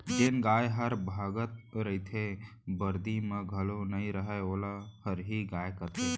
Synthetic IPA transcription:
d͡ʒeːnɡaːjɦəɾbʱaːɡət̪̚ɾəɦit̪ʰebəɾd̪imẽɡʱəlonɐĩɾəɦɛoːlahəɾɦiɡaːjkəɾt̪ʰe

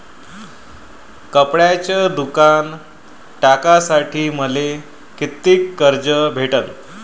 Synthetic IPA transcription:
kəpɽjat͡ɕad̪ukan | ʈakasaʈʰiːməle | kit̪ːiːkːəɾd͡ʑəbʱeʈəl

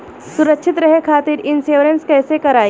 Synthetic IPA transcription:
suɾəkʃʰɪt̪ɾɐɦekʰaːt̪iɾɪnseʋɾənskɛːsekɐɾaː

